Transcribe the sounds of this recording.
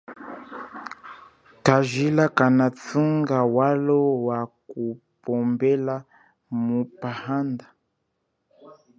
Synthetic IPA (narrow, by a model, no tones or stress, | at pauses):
taʒilakanat͡suŋɡawalɔwaku | pɔmbɛla | mupahanda